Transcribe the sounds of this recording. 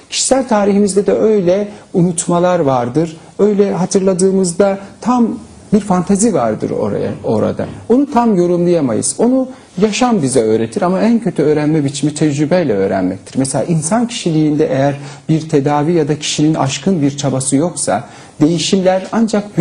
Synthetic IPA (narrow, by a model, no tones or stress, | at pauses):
cʰi̥ʃi̥sælʲt̪ʰaːɾiɦimizd̪ɛd̪ɛø̞jlʲɛunut̪malˠaɾvaɾd̪ɯɾ | ø̞jlʲɛɦat̪ʰɯɾlˠad̪ɯːmɯzd̪at̪ʰam | biɾfant̪ʰazivaɾd̪ɯ̰ɾo̰a̰o̞̰ɾa̰d̪a̰o̞nut̪ʰamjo̞ɾumlˠɯjama̰jɯ̰z̥o̞nu | jaʃambizɛø̞ːɾe̞t̪ʰiɾamaæncʰø̞t̪ʰyøːɾænmɛbit͡ʃʰimit̪ʰɛd͡ʒɾybɛjlʲɛø̞̰ːɾæ̰nmɛ̰c̚t̪ʰi̥ɾmɛselʲa̰ːʔinsancʰi̥ʃilʲiːnd̪ɛʔejæɾbiɾt̪ʰe̞d̪aːvijad̪acʰi̥ʃinina̰ʃkʰɯnbiɾt͡ʃʰabasɯjo̞ksa̰ | d̪e̞jiʃimlʲæɾand͡ʒakb